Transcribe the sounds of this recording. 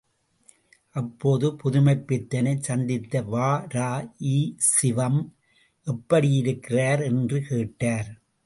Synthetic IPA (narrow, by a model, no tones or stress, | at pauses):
ʔɐpːoːðɯpʊðʊmɐɪpːɪt̪ːɐnɐɪt͡ʃɐnd̪ɪt̪ːɐʋaːɾaːiːsɪʋɐm | ʔɛpːɐɽɪjɪɾɯkːɪraːɾɛndrɯkeːʈːaːɾ